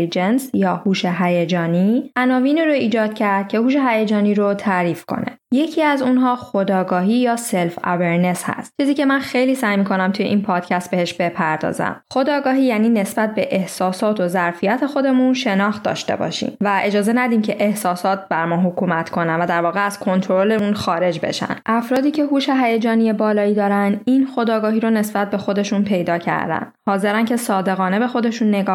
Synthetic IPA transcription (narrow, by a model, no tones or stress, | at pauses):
lid͡ʒensjɒːhuːʃeɦæjed͡ʒɒːniʔænɒːviːniːɾoiːd͡ʒɒːd̪̥̚cʰæɾd̪̥̚cʰe̞huːʃ̬e̞ɦæjed͡ʒɒːniːɾot̪ʰæɾiːfkʰo̞̰ne̞̰je̞cʰiːæzunɦɒːxo̞d̪ɒːɡɒːɦiːjɒːselfæ̰veɾne̞shæ̰st̪̚t͡ʃʰiːziːce̞mænxe̞jliːsæjmiːkʰo̞næmt̪ʰujeʔinpʰɒːd̪cʰæst̪̚be̞heʃbe̞pʰæɾd̪ɒ̰ːzæ̰mχo̞d̪ɒːɡɒːɦiːjæːniːne̞sbæt̪̚be̞ʔehsɒːsɒːt̪ʰo̞zæɾfijæt̪ʰe̞xo̞d̪e̞munʃe̞nɒːxt̪̚d̪ɒ̰ːʃt̪e̞̰bɒ̰ʃḭːmvæʔe̞d͡ʒɒːze̞næd̪iːmcʰe̞ʔehsɒːsɒːt̪̚bæɾmɒːɦokʰuːmæt̪ʰkʰo̞nænvæd̪æɾvɒːɣeæz̥kʰo̞nt̪ʰoɾɾoleunxɒːɾe̞d͡ʒbḛʃæ̰nʔæfɾɒːd̪iːcʰe̞huːʃeɦæjed͡ʒɒːnijebɒːlɒːiːd̪ɒːɾænd̪inxo̞d̪ɒːɡɒːɦiːɾone̞sbæt̪̚be̞xo̞d̪e̞ʃunpʰe̞jd̪ɒːcʰæ̰ɾd̪æ̰nd̪̥hɒːze̞ɾænkcʰe̞sɒːd̪e̞ɣɒːne̞be̞xo̞d̪e̞ʃunːe̞ɡɒː